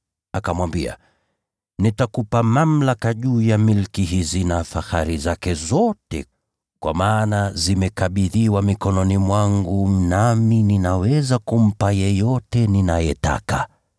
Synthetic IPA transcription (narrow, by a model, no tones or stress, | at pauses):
akamwambia̰ | nitakupamam̩lakaʄuːjamilkiɦizinafaxaɾizakɛzɔtɛ̰ | kwa̰maːnazimɛkaɓiðiwamikɔnɔnimwaŋɡum̩namininawɛzakum̩pajɛjɔtɛninajɛta̰ka